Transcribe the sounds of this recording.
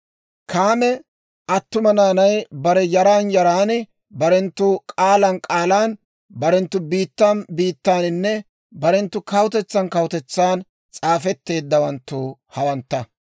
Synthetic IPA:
kaːmɛ | ʔɐt̪ːʊmɐnaːnɐjbɐɾɛjɐɾaːnjɐɾaːnɪ | bɐɾɛnt̪ːʊkʼaːlɐnkʼaːlaːn | bɐɾɛnt̪ːʊbiːt̪ːaːnbiːt̪ːaːnɪnːɛ | bɐɾɛnt̪ːʊkɐwt̪ɛt͡sːɐnkɐwʊt̪ɛt͡sːaːn | t͡sʼaːfɛt̪ːe̞ːd̪ːɐwɐnt̪ːuːhɐwɐnt̪ːɐ

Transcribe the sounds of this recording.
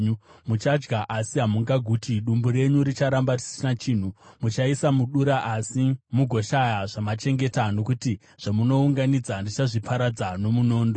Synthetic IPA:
ɲumut͡ʃad͡ʒɡaʔasiɦamuŋɡaɡʱuːtʰiɗumbuɾe̞ɲuɾit͡ʃaɾambarisnat͡ʃiːn̤umut͡ʃaisamuɗuɾaʔasimuɡʱo̞ʃajaʐamat͡ʃe̞ŋɡe̞tano̞kuti | ʐ̥amuno̞uŋɡanid͡zandit͡ʃaʐipʰaɾad͡zano̞muno̞ːndo

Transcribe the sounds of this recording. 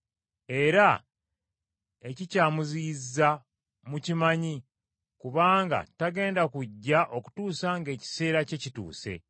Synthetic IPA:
e̞ɾa | e̞cicaːmuzizːa | mucimaɲi | kuβaːŋɡa̰taɡe̞ːndakuɟːaʔo̞ku̥tuːsaŋɡe̞ːci̥se̞ːɾace̞citṵːse̞̰

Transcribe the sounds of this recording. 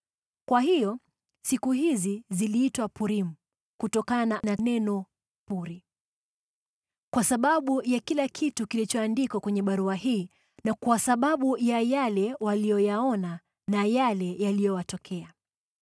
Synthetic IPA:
kwaɦijɔ | sikuhiziziliːtwapuɾim̩ | kutɔkananananɛnɔ | puɾi | kwasaɓaɓujakilakʰitukilit͡ʃɔandikwakwɛɲɛɓaɾuahiː | nakwasaɓaɓujajalɛwalijɔjaɔna | najalɛjalijɔjatɔkʰɛa

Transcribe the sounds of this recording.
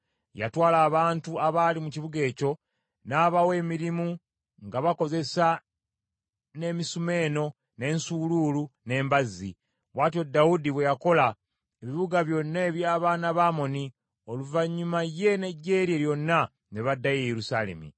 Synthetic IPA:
ja̰twaːlaːβaːntuaβalimuciβuɡe̞ːco̞ | naːβawe̞ːmiɾimu | ŋɡaβako̞ze̞sa | ne̞misume̞ːno̞ | ne̞ːnsuluːlune̞ːmbazḭ | βwaːtjo̞dːaudiβwe̞jako̞la | eβiβuɡaβjo̞nːaeːβjaːβaːnaβaːmo̞ni | o̞luvaɲːumaje̞ne̞ɟːe̞ːɾieɾjo̞nːa | neβadːajejeɾusale̞̰mḭ

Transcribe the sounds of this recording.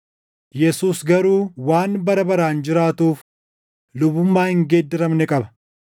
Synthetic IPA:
jɛsuːsɡɐɾuːwaːnbɐɾɐbɐɾaːnd͡ʒɪɾaːt̪uːf | lʊbʊmːaːhɪŋɡeːd̪ːɪɾɐmnɛkʼɐbɐ̥

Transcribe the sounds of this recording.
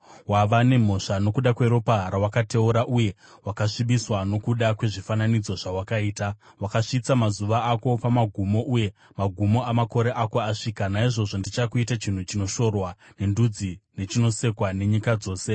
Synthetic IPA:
waʋane̞m̤o̞ʂano̞kuɗakwe̞ɾo̞paɦaɾawakate̞uɾaʔuje̞ | wakaʂiɓiswano̞kuɗakwe̞ʐifananid͡zo̞ʐawakaiːta | wakaʂit͡samazuʋaːko̞pamaɡʱumo̞ʔuje̞ | maɡʱumo̞amako̞ɾe̞ʔako̞aʂiːkanaiʐo̞ʐondit͡ʃakuitat͡ʃin̤ut͡ʃino̞ʃo̞rwa | ne̞ndud͡zine̞t͡ʃino̞se̞kwane̞ɲikad͡zo̞ːse

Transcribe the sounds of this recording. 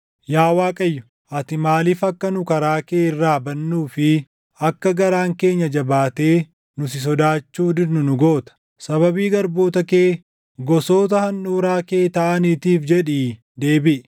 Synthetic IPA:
jaːwaːkʼɐjːʊ̥ | ʔɐt̪ɪmaːliːfɐkːɐnʊkɐɾaːke̞ːɪrːaːbɐnːuːfɪ | ɐkːɐɡɐɾaːŋke̞ːɲːɐd͡ʒɐbaːt̪e̞ː | nʊs̬ɪs̬ɔd̪aːt͡ʃːuːd̪ɪnʊnʊɡoːt̪ɐ̥ | sɐβɐbiːɡɐɾboːt̪ɐke̞ː | ɡɔso̞ːt̪̬ɐhɐnɗuːɾaːkeːt̪ɐʔɐniːt̪iːfd͡ʒɛᶑiː | d̪e̞ːbɪʔ

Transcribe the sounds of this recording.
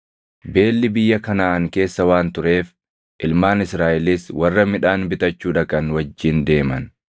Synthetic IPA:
be̞ːlːɪbɪjːɐkɐnaːʔɐŋke̞ːsːɐwaːnt̪ʊɾe̞ːf | ʔɪlmaːnɪsɾaːʔɪliswɐrːɐmɪᶑaːnbɪt̪ɐt͡ʃːuːᶑɐkʼɐnwɐd͡ʒːɪnd̪e̞ːmɐn

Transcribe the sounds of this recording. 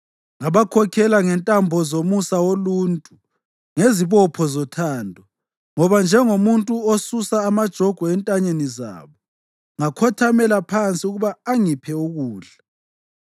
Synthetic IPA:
ŋaβakʰɔkʰɛlaŋɛntʼambʱɔzomusawoluːntʼu | ŋeziβɔpʰɔzɔtʰaːndʱɔ | ŋɔβand͡ʒʱɛŋomuntʼuosusaːmad̥ʒ̥ʱɔɡ̥ʱɔɛntʼaɲeniza̰ːβɔ | ŋakʰɔtʰamɛlapʰant͡sʼiuɣuβaːŋipʰɛuɣuːɮa

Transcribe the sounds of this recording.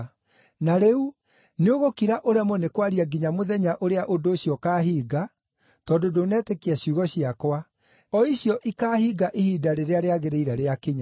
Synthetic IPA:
naɾeu | neoɣokiɾaʔoɾeamɔnekwaɾiaɡiɲamoðɛɲaʔoɾeaʔondoːɕjɔkaːɦiːɡa | tɔdodonɛtekeaɕuɣɔɕiakwa | ɔiɕjɔʔikaːhiːɡaʔehiːdaɾeɾeaɾeaɣeɾeiɾaɾeakeɲa

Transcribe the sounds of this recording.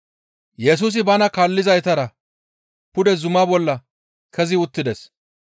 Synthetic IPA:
jɛs̬uːs̬ɪbɐnɐkaːlːɪzɐjt̪ɐɾɐ | pʊd̪ɛzʊmabɔlːɐ | kʰɛzɪʊt̪ːɪd̪ɛs

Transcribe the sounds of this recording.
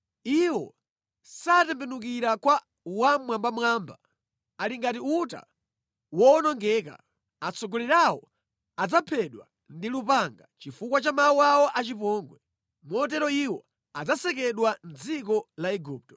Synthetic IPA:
iwɔ̰ | satɛmpɛnuk̬iɾakwa | wamwambamwaːmba | aliŋɡatiuta̰ | wɔnɔŋɡɛka̰ | at͡sɔɡɔlɛɾawɔ | ad͡zapʰɛɗwa̰ | ndilupaŋɡat͡ʃifukwat͡ʃamawuawɔʔat͡ʃipɔːŋɡwɛ | mɔt̬ɛɾɔiwɔ | ad͡zasɛk̬ɛɗwand͡zik̬ɔlaɛɡuːp̚tɔ

